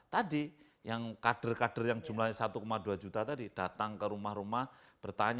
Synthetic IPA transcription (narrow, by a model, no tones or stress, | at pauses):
t̪adi | jaŋkad̥ərkad̥ərjaŋd͡ʒumlahɲsat̪ukomaduad͡ʒut̪at̪adid̥at̪aŋkəɾumahɾumahb̥ərt̪aɲ